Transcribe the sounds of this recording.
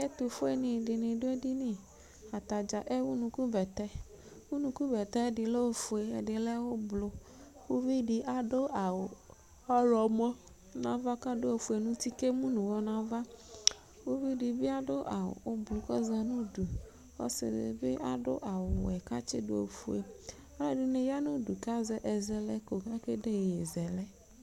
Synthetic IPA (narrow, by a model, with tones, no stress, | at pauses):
e˦t̪o˨fo˦e˨nɪ̃˨ɖɪ˨nɪ̃˨ɖo˦e˦di˦nĩ˦ | a˨t̪a˨d͡ʒa˨ʔe˦wu˦nũ˨ku˦bɛ˨t̪ɛ˦ | wu˦nũ˦ku˦bɛ˨t̪ɛ˦ɖɪ˨le˦o˦fu˨e˨ɖɪ˨lɛ˦wo˦blo˨ | wo˦vi˦ɖi˨ʔa˨ɖo˦ʔa˨wo˨ | a˦lɔ˨mɔ̃˦ | nã˦va˦ka˦ɖo˦o˨fu˨e˨nũ˦t̪i˦ke˦mũ˦nũ˨wɔ˦nã˦va˦ | wo˦vi˦ɖi˨bi˦a˦do˦ʔa̰˨o˦blo˨kɔ˦za˨nũ˦du˨ | wɔ̰˦sɪ̰˨lḛ˨bḛ˦ʔa˨do̰˦ʔa˨wo˨ɛ˨ka˦t͡ʃɪ̰˦do̰˦o̰˨fu˦ḛ˨ | a˦lɛ˦ɖi˨nẽ˨ja˦nũ˦du˨ka˦zɛ˨ʔɛ˨zɛ˨lɛ˦ko˨ka˦ke˦ɖe˦˨e˨zɛ˨lɛ˦